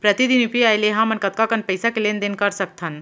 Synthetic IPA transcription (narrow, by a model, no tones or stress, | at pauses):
pɾət̪id̪inupiajleɦãmənkət̪̚kakənpəɪsakelend̪enkəɾsək̚t̪ʰən